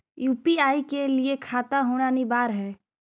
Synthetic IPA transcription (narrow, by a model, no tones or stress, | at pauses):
juːpiaːikeliekʰaːt̪aɦoːɽ̃anibaːɾɦɛː